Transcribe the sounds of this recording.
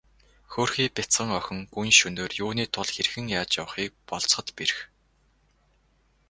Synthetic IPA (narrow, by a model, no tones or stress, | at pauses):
xoːrxiːpʲɪt͡sɢə̆ŋœxʲɪ̆ŋɡujnʃɵnoːrjuːniːt̪ʰʊɮxerxɘ̆ŋjaːt͡ɕja̰wə̆χiːk̚pɔɮt͡sχə̆t̪peɾ̆x